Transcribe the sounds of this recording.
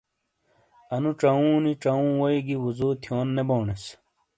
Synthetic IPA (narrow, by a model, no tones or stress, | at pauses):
ɐnuʈ͡ʂɐũːniʈ͡ʂɐũːwoiɡiwuzoːt̪ʰijoːnːeboːɳes